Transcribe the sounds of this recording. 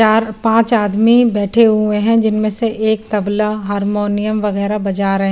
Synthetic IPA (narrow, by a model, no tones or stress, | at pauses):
aːɾpãːt͡ʃaːd̪mibɛːʈʰeɦʊẽɦɛ̃d͡ʒɪnmẽseʔeːk̚t̪ɐblaɦaːɾmoːnijəmʋɐɣɛːɾabɐd͡ʒaɾɐɦẽ